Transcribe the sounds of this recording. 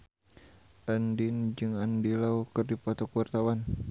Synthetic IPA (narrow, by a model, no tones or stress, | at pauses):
ʔandind͡ʒɨŋandilaukɨrdipɔt̪ɔkuwart̪awan